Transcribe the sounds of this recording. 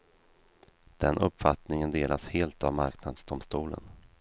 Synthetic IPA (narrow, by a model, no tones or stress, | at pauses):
d̪̥ɛnʔɵpːfat̪nɪŋənd̪eːlʔasheːlt̪avmaɾknad̪sd̪ʊmst̪uːlə̰n